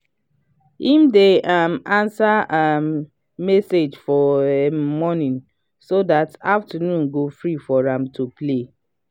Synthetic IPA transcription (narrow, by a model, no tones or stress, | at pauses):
hĩmdeʔamãnsaam | mɛsed͡ʒfɔemɔnĩn | sodataftanũnɡofɹifɔɹãmtʰuple